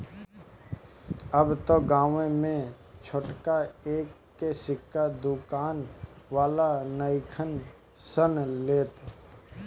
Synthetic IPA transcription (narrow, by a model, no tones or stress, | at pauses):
əbt̪oɡaːʋẽmẽ | t͡ʃʰoʈkaeːkːesɪkʰːad̪ʊkaːn | ʋaːlanəɪkʰən | sənleːt̪